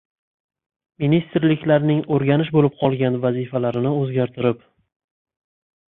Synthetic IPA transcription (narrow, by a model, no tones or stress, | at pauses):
minist̪ɾlɪkʲlaɾnɪŋoɾɡʲanɪʃbolɪp̚qʰɒlˠɡʲanvazifalaɾɪnɪɵzɡʲaɾt̪ʰɪɾɪp